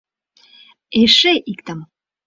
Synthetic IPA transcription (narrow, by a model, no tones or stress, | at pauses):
eʃeʔikt̪am